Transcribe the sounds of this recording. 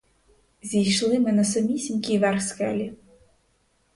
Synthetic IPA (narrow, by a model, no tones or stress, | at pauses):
zʲijʃlˠɪmɪnɐsɐmʲisʲinʲkʲijʋɛrxsxɛlʲi